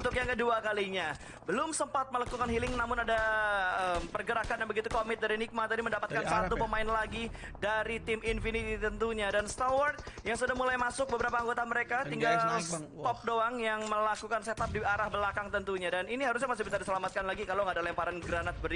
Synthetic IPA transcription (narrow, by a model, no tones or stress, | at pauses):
unt̪ʊkjaŋkəduakaliɲa | bəlʊmsəmpat̪̚məlakukanɦilɪŋnamʊnadaəːmpərɡəɾakanjanbəɡit̪ukomɪt̪̚daɾinik̚mat̪adiməndapat̪kansat̪upəmaɪnlaɡi | daɾit̪ɪmɪnfinit̪it̪ənt̪uɲadanst̪awɔrd̪jaŋsudahmulajmasʊk̚bəbəɾapaːŋɡot̪aməɾekat̪iŋɡalst̪ɔp̚doaŋjaŋməlakukanset̪ap̚diaɾahbəlakaŋt̪ənt̪uɲadaniniɦaɾʊs̬ɲamasibis̬adisəlamat̪̚kanlaɡikaloŋɡadalɛmpaɾanɡɾanat̪̚bəɾ